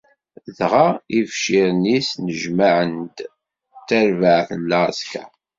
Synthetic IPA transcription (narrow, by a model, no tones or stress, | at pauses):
ðʁaifʃiɾnisnəʒmaʕənd̪ | t̪ːæɾvaʕθəlːaskæ̰